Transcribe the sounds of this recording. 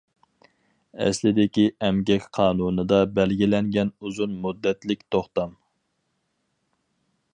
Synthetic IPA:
ɛ̰slɪd̪ɪkʲiʔɛmɡʲɛkʲqʰɑːnunɨd̪ɑbɛlɡʲilɛŋɡʲɛnuzunmud̪ːɛt̪lɪk̚ʲt̪ʰoχt̪ɑm

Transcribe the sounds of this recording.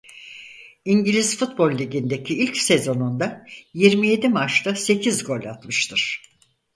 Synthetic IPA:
iɲɟilʲizfut̪bo̞lʲːiɟind̪e̞cʰiilʲcse̞zo̞nund̪ajiɾmije̞d̪imat͡ʃt̪ase̞cʰizɡo̞lʲa̰t̪mɯʃt̪ʰɯɾ̥

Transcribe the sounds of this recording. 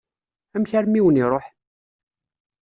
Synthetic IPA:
æmçaɾmiwəniɾˤoħ

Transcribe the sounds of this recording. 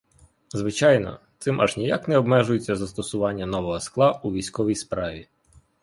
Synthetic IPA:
zʋɪt͡ʃɑjnɔ̰t̪sɪmʔɐ̰ʒnʲijaknɛɔbmɛʒʊjet͡sʲːɐzɐst̪ɔsʊʋɑnʲːɐnɔʋɔɦɔsklˠɑuʋʲijsʲkɔʋʲijspɾɑʋʲi

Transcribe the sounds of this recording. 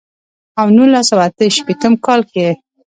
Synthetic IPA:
awnulasawaat̪əʃpet̪əmkɑlke

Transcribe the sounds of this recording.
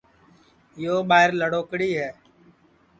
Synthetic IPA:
joːɓaːɦɪɾləɽoːkɽiːɦɛː

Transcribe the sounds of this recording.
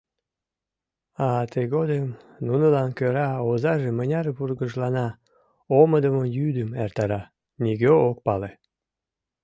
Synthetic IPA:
ɑt̪eɣod̪əm | nunəlɑnkøɾɑozɑʒemənʲɑɾβurɣəʒlɑnɑ | oməd̪əmojyd̪əmert̪ɑɾɑ | nʲiɣøok̚pɑle

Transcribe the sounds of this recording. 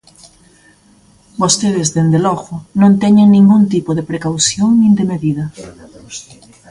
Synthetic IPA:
bost̪eðɪzðend̪elɔɣʊnõnt̪ɛɲeŋnĩŋɡunt̪ipoðepɾekawsjoŋnĩnd̪emeðiðɐ

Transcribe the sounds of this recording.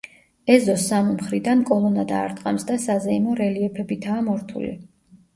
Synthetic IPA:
ɛzɔsːamimχɾid̪ankʼɔlˠɔnad̪aːɾt̪ʼqʼamsd̪asazɛinɔɾɛliɛpʰɛbit̪ʰaːmɔɾt̪ʰṵlḭ

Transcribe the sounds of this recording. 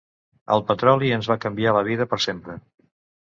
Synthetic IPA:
ə̰lˠpət̪ɾɔliənzβakəmbialəβ̞iðəpəɾsempɾə

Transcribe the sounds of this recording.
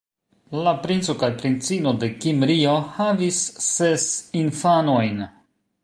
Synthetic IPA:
lapɾint͡so̞kajpɾint͡sino̞de̞kimɾio̞havisːesinfano̞jn

